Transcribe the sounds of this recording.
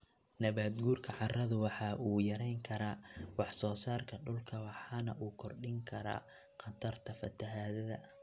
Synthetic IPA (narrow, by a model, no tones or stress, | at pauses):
nɐβaːd̪ɡuːrkʰɐʕɑrɐðʊwɑħɑʔuːjɐɾɛjŋkʰɐɾaːwɑħsɔːsaːrkʰɐɖʊlkʰɐwɑħɑːnɐ̰ʔuːkʰɔrɖɪŋkʰɐɾa̰ː | qɐt̪ʰɐrt̪ʰɐfɐ̰t̪ʰɐɦaːðɐðɐ̰